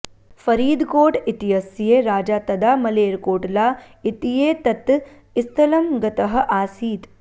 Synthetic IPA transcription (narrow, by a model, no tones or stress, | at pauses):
fɐɾiːd̪koːʈit̪ijɐsjeːɾaːd͡ʒaːt̪ɐd̪aːmɐleːɾkoːʈlaː | it̪ijeːt̪ɐt̪ | ist̪ʰɐlɐmɡɐt̪ɐɦɐ̆ʔaːsiːt̪